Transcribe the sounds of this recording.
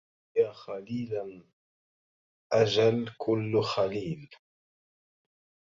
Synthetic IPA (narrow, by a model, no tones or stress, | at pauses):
jaːxaliːla | ʔad͡ʒalkʰʊlːxaliːl